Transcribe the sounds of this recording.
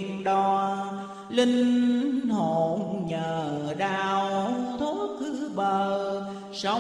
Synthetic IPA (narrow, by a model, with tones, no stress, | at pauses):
nŋɗɔ˧˩ | lï˧ŋ̟ho˧˨˩nɲəː˨˩ɗaː˧wt̪ʰo˨˦˥t̚kɨ˧˥ɓəː˨˩ | sə˧